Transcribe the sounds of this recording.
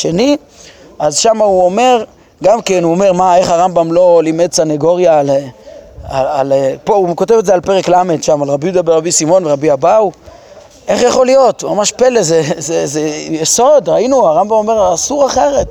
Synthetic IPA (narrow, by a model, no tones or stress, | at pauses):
ʃe̞ni | azʃamauome̞ʁ | ɡamke̞nuome̞ʁmae̞χhaʁambamlo̞limedt͡saneɡo̞ʁjal | aalpo̞uko̞te̞vetzealpe̞ʁeklame̞dʃamalʁabijud̪abeʁabisimo̞nveʁabiabaw | ʔe̞χjaχo̞lijo̞tmamaʃpelezezezejeso̞dʁainuaʁambamo̞me̞ʁasuʁaχeʁe̞t̚